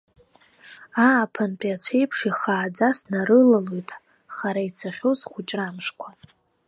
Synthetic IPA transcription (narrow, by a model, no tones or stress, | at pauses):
aːpʰant͡pʼiat͡ɕʷʰe̞jpʰʂiχaːd͡zasnaɾɨlalojtʰʼ | χaɾait͡sʰaχʲozχʷʊt͡ʃʼramʂkʷʰa